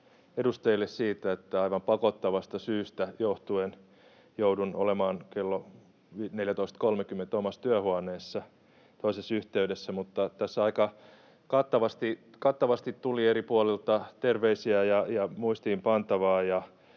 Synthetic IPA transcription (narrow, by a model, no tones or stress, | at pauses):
edust̪eilːessiːt̪æet̪ːæɑiʋɑmpɑkot̪ːɑʋɑst̪ɑsyːst̪æjoht̪uen | joudunolemɑːnkelːo | ineljæt̪oist̪kolmekymːent̪omɑst̪yæhuɑneːsːɑ | t̪oisesyht̪eydesːæmut̪ːɑt̪æsːɑikɑ | kɑt̪ːɑʋɑst̪i | kɑt̪ːɑʋɑst̪it̪t̪ulieɾipuolelt̪ɑt̪erʋeisiæjɑjɑmuist̪iːmpɑnt̪ɑʋɑːjɑ